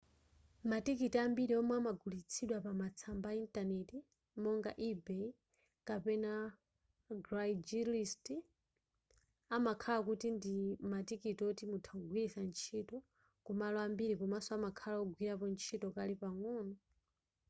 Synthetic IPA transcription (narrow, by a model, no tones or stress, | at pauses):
matikitiambiɾiɔmwamaɡulit͡sʰiɗwapamat͡sʰambaintanɛti | mɔŋɡa̰ʔibɛ | kapɛna | ɡɾajd͡ʒilist | amakʰalakutindimatikitɔtimutʰauɡʱwiɾisant͡ʃʰitɔ | kumalɔambiɾikumasɔamakʰalauɡwiɾapɔnt͡ʃʰitɔkalipaŋɔːnɔ